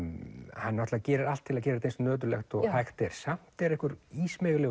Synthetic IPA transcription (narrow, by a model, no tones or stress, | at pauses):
hanːɔht̪acɛːɾɪɾalt̪ʰːɪlacɛːɾt̪ensnœːt̪̬ʏɾlɛxt̪ɔɣhajxt̪ɛɾ̥sam̥t̪ɛɾɛhkʏɾiːsmɛɣlɛ